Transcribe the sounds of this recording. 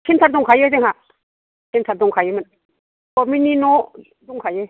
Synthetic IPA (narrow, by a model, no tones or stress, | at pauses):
kʰintʰaɾduŋkʰajɯzeŋɦa | kʰintʰaɾ̚duŋkʰajɯmɯn | kɔmininɔ | duŋkʰajɯ